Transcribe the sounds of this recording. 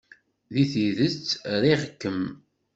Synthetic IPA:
ðiθiðət͡sːɾiʁəkːəm

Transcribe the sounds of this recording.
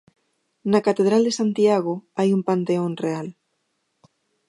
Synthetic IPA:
nakat̪eð̞ɾald̪esant̪iaɣ̞oajumpant̪eonreal

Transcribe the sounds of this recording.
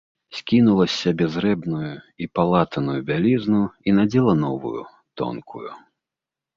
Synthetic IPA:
sʲkʲinulˠɐsʲɐbʲɛzɾɛbnuju | ipalˠat̪ɐnujubʲalʲiznuinad͡zʲɛlˠɐn̪ɔvṵjṵ | t̪ɔ̰nkʰṵjṵ

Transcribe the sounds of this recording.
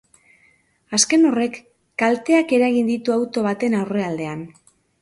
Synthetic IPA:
aske̞no̞re̞kː | alt̪e̞ake̞ɾaɣind̪it̪uawt̪o̞βat̪e̞nawre̞ald̪e̞an

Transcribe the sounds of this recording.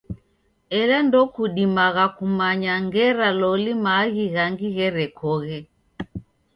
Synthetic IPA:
ɛlandɔkuɗimaɣakumaɲaŋɡɛɾalɔlimaɣiɣaŋɡiɣɛɾɛkɔɣɛ

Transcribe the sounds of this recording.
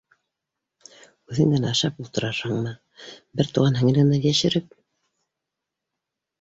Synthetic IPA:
ʉðɘ̆ŋd̪ænɑʃɑpulˠt̪ɤ̆ɾɑʃhɤɴmɤ | bɘɾt̪uʁɑnɦɘ̆ŋ̆lɘ̆nd̪æjæʃɘ̆ɾɘp̚

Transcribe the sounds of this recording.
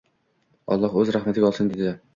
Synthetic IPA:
ɒ̰lˠːɒhɵzɾahmat̪ʰɪɡʲaɒlˠsɪnd̪ed̪ɪ

